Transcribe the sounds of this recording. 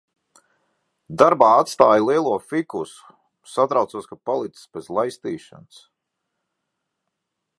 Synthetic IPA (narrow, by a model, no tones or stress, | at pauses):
d̪aɾbaːat̪st̪aːjlˠiɛlˠuɔfikusu̥ | sat̪ɾawt̪saːskapalˠit̪ssbezlˠajst̪iːʃa̰ns